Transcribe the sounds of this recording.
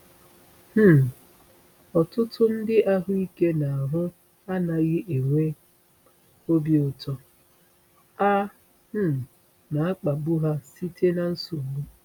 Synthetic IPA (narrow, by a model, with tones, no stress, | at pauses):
h̩˦˨ | ɔ˨tʊ˦tʰʊ˦n̩˦dɪ˦ʔa˦ɦʊ˦i˦ke˦na˨a˨ɦʊ˦ | a˦na˨ɣɪ˦ʔe˨ŋʷe˦ | o˦be˦ʊ˨tɔ˦ | a˦ | h̩˦˨ | na˨a˦k͡pa˨bu˦ɦa˦si˦tʰe˦na˨n̩˦so˨mu˦